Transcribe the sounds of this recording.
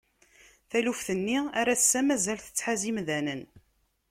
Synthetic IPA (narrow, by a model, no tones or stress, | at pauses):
θælufθənːiæɾæsːæmæzælθə̥t͡sːħazimðænən